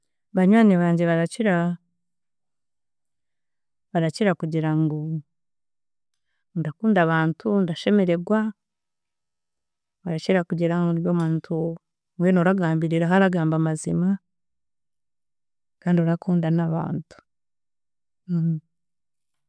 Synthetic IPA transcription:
βaɲwaːniβaːɲɟe̞βaɾaciɾa | βaɾaciɾakuɟiɾaŋɡo | ndakuːndaβaːntʰundaʃe̞me̞ɾe̞ɡwa | βaɾaciɾakuɟiɾaŋɡojomantʰu | ŋɡweːnoɾaɡaːmbiɾiɾaɦaɾaɡaːmbamazima | kaːndioɾakuːndanaβa̰ːntu̥

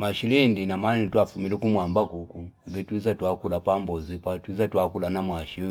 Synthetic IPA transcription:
maʃilɛndinamanitwafumilɛkumwambakukubɛtwizatwakulapambɔzipatwizatwakulanamwaʃi

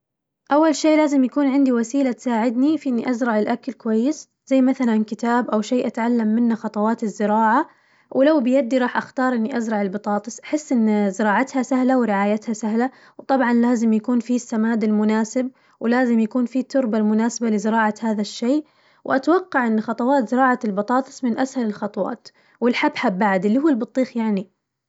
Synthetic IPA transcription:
ʔawːalʃeːʔlaːzɪmjakuːnʕɪnd̪iwasiːlat̪saːʕɪd̪nifiʔɪnːiʔazɾˤɑʕɪlʔakalkʊwajːɪs | z̥ajːmaθalankɪt̪aːbʔawʃeːʔat̪ʕalːamːɪnːaxɑt̪ˤɑwɑːt̪ɪzːɪɾɑːʕa | wʔlawbɪjad̪ːiɾˤɑːħʔaxt̪ɑːɾˤʔɪnːiʔazɾˤɑʕɪlbɨt̪ˤɑːt̪ˤɨsʔaħɪsːʔɪnːzɪɾˤɑːʕat̪hasahlawɾɪʕaːjat̪hasaɦla | wt̪ˤɑbʕɑnlaːzɪmjakuːnfisːamaːd̪ɪlmʊnaːsɪb̚ | wlaːzɪmjakuːnfit̪ʰːʊɾbalmʊnaːsabalɪzɪɾɑːʕahaːðaʃːeː | wʔat̪wɑqːɑʕʔɪnːxɑt̪ˤɑwɑːt̪zɪɾɑːʕalbɑt̪ˤɑːt̪ˤɨ̥sˤmɪnʔashalɪlxɑt̪ˤɑwɑ̰ːt̪ | wɪlħabħabaʕd̪ɪlːihuːlbɨt̪ˤːiːxjaʕni

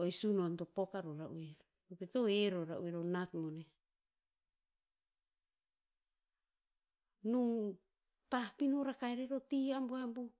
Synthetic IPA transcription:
oesunontopokaɾoɾaʔueɾo | opetoeɾoɾaʔṵeɾonakmone | nuŋ | tapinoɾakaeɾeɾotiamboambu

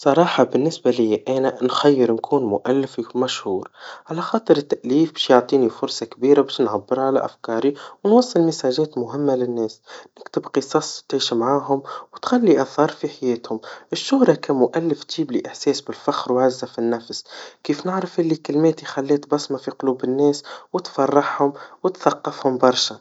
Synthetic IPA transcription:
sˤɑɾˤɑːħɑbɪnːɪsbalɪjːaʔæːnanxæjːɪɾnkʰuːnmʊʔælːɪfmæʃhuːɾʕalaxɑːt̪ˤɨɾɪt̪ːaʔliːfbɛːʃjoʕt̪ˤiːnifʊɾsˤɑkbiːɾabɛːʃnʕabːɪɾʕala̰ʔafkɑːɾiwnwɑsˤːɨlmɪsaːʒɛːt̪mʊɦɪmːalɪnːɛːsnɪkt̪ɪbqɨsˤɑːsˤt̪ʕiːʃmʕaːɦʊmwt̪xalːiʔaθɑːɾˤfiħajeːt̪hʊmʔɪʃːʊhɾˤɑkæmʊʔælːɪft̪ʒ̥iːbliʔɪħseːsbɪlfaxɾwʕazːafinːafskiːfnɪʕɾɑfʔɪlːikɪlmeːt̪ixalːeːt̪bɑsˤmafiqʊluːbɪnːɛːswɪt̪fɑrˤːɑħhʊmwɪt̪θɑqːɑfhʊmbɑɾˤʃa

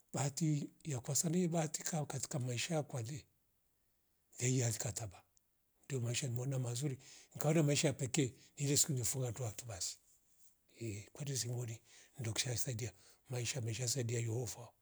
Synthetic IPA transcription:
baatijakwasanɛɛbati̥kakati̥kamaiʃaakwalɛ | jaiaθikataba | ndijɔmaiʃanimɔnamazuɾiŋikaɔnamaiʃajapɛkɛnilɛsi̥kuɲɛfuŋɡanduatubasi̥ | ɛkwɛdɛs̬imɔnin̩dɔku̥ʃasaidiamaiʃamaiʃ̬ajas̬aidiajɔhɔva

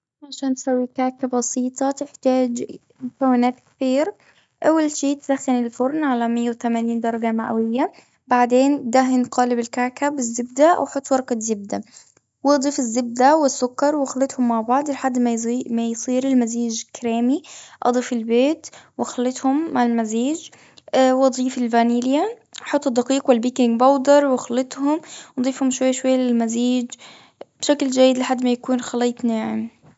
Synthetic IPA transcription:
ʕaʃaːnt̪sawːikaːkabɑsiːt̪ˤɑt̪ɪħt̪aːd͡ʒ | mʊkawːɪnaːt̪ktiːɾ | ʔawːalʃiːt̪d̪axːɪnɪlfʊɾnʕalamɪjːawt̪amaniːnd̪ɑɾˤɑɡamaʔawɪjːa | baʕd̪eːntd̪aɦɪnqɑːlɪbɪlkaːkabɪzːɪb̚d̪aʔa̰wħʊt̪ˤːwɑɾˤkazɪb̚d̪a | wʔɑd̪ˤiːfɪzːɪb̚d̪awɪsːʊkːɑɾˤwxalːɪt̪hʊmːaʕbɑʕd̪ˤɪlħad̪ːmmajsˤiːɾɪlmaziːd͡ʒkɾeːmiʔɑ̰d̪ˤiːfɪlbeːt̪wʔɑxɑlːɪt̪hʊmːaʕɪlmaziːd͡ʒ | wʔɑd̪ˤiːfɪlvaniːlɪja | ʔħʊt̪ˤːɨd̪ːɑqiːqwɪlbiːkɪŋɡbɑwd̪ɑɾˤwɑxɑlːɪt̪ˤhʊmʔɑd̪ˤiːfhʊmʃwajːʃwajːalɪlmaziːd͡ʒ | b̥ʃakld͡ʒajːɪd̪lɪħad̪ːmajakuːnxɑlːiːt̪ˤnaaʕɪm

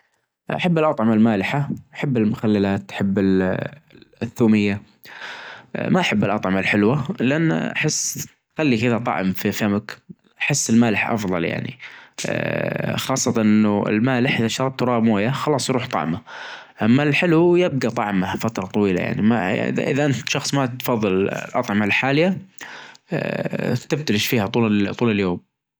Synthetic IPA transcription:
ʔa̰ħabːalʔɑt̪ˤʕɑmɪlmaːlɪħaʔaħabːɪlmʊxalːalaːt̪ʔħabːɪl | θːuːmɪjːa | maʔaħabːɪlʔɑ̰t̪ˤʕɑmalħɪlwalɪʔanːʔa̰ħɪsː | xalːikɪðat̪ˤɑ̰ʕmfifamʊk | ʔaħɪsːɪlmaːlɪħʔɑ̰fðˤɑ̰lja̰ʕnḭ | xɑːsˤːɑt̪anʔɪnːʊɪ̰lmaːlɪħʔɪðaʃt̪ɑɾˤɑb̚t̪ɾˤɑːʔmoːjaxɑlɑːsˤjɾuːħt̪ˤɑ̰ʕma | ʔamːalħɪlwjɪb̚ɡat̪ˤɑ̰ʕmafat̪ɾˤɑt̪ˤɑwiːla̰ja̰ʕnima̰ʔɪ̰ða̰ʔɪ̰ðaʔɪnt̪ʃɑxsˤmat̪fɑðˤːɨl̰lʔɑ̰t̪ˤʕɑmalħaːlɪja | t̪ɪb̚t̪alɪʃfiːhat̪ˤuːt̪ˤuːlɪljoːm

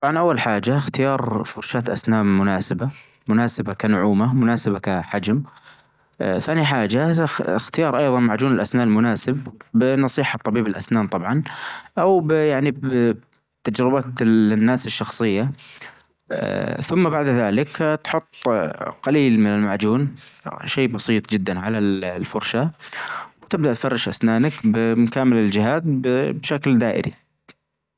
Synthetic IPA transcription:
t̪ˤɑbʕɑnʔawːalħaːd͡ʒaxt̪ɪjɑːɾˤfʊɾˤʃaːt̪ʔa̰snaːmːʊnaːsaba | mʊnaːsabakanʊʕuːmamʊnaːsabakaħad͡ʒm | θaːniħaːd͡ʒaɪxt̪ɪjɑːɾˤʔɑjðˤɑnmaʕd͡ʒuːnɪlʔasnaːʔlmʊnaːsɪbːɪnɑsˤiːħɑt̪ˤːɑbiːbɪlʔa̰snaːnt̪ˤɑbʕɑnʔawbjaʕnib | t̪ad͡ʒɾɪbat̪nːaːsɪʃːɑxsˤɨjːa | θʊmːabaʕd̪ðaːlɪkt̪ħʊt̪ˤːqaliːlmɪnɪlmaʕd͡ʒuːnʃeːbɑsˤiːt̪ˤd͡ʒɪd̪ːanʕalalfʊɾˤʃa | wt̪ɪbd̪aʔt̪fɑrˤːɑʃʔasnaːnakbɪmkaːmɪlɪld͡ʒɪɦaːt̪bbʃakld̪aːʔɪ̰ɾḭ

